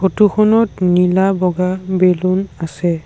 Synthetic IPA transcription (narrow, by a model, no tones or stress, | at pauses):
kʰotuxʰɔnɔtnilabɔɡabelunasɛ